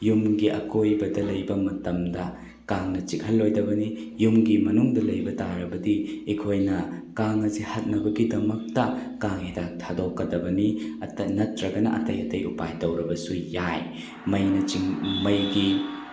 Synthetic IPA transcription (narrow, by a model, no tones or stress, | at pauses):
jumɡiʔɐkojbɐdɐlɐjbɐmɐtɐmdɐ | kaŋnɐt͡ʃikʰɐlːojdɐbɐnijumɡimɐnuŋdɐlɐjbɐtaɾɐbɐdiikʰojnɐkaŋɐzihɐt̚nɐbɐɡidɐmɐk̚tɐkaŋidak̚tʰadokːɐdɐbɐniɐtɐnɐtɾɐɡɐnɐʔɐ̰tɐjɐtɐjṵpajtɐwɾɐbɐsujaj | mɐjnɐt͡ʃiŋmɐjɡi